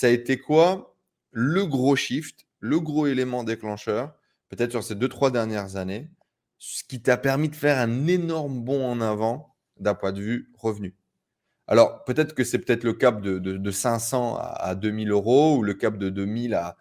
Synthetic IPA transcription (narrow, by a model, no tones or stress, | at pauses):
saet̪ekwa | ləɡʁoʃift̪ | ləɡʁoelemɑ̃d̪eklɑ̃ʃœʁ | pøt̪ɛt̪χsyʁsed̪øt̪χwad̪ɛʁnjɛʁzane | ssə̥kʲit̪yapɛʁmid̪əfɛʁɛ̃nenɔʁmbɔ̃ɑ̃navɑ̃ | d̪ɛ̃pwɛ̃d̪əvyʁəvny | a̰lɔʁpøt̪ɛt̪χə̥kəsɛpøt̪ɛt̪χləkap̚d̪əd̪əd̪əsɛ̃sɑ̃a̰a̰d̪ømiløʁouləkap̚d̪əd̪ømila